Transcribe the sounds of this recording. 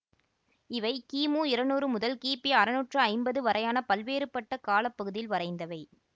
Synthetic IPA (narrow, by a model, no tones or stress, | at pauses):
ɪʋɐɪkiːmuːɪɾɐnuːrɯmʊðɐlkiːpiɐɾɯnuːʈrɯɐɪmbɐðɯʋɐɾɐjaːnɐpɐlʋeːɾɯpːɐʈːɐkaːlɐpːɐɣɯðɪjɪlʋɐɾɐɪnd̪ɐʋɐɪ